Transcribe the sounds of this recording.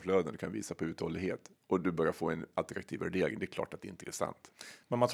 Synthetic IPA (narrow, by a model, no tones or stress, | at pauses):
fløːd̪ənd̪ɵ̟kʰanvḭːsapʰɔʉ̟ːt̪hoːlɪɡheːt̪ | ʔɔd̪ɵbœɾjaɾfoːɛnalt̪əɾakt̪ʰiːvæɖeːɾɪŋd̪ɛɾkʰlɑ̰ːʈat̪̚ɛɪnt̪əɛsa̰nt̪mɛnmant̪